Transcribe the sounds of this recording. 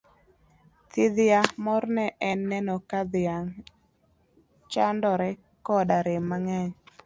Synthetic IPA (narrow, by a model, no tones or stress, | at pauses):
t̪ɪðɪjamɔɾnɛʔɛnːɛnɔkad̪ɪjaŋ | t͡ʃandɔɾɛ | kɔdaɾɪmːaŋɛɲ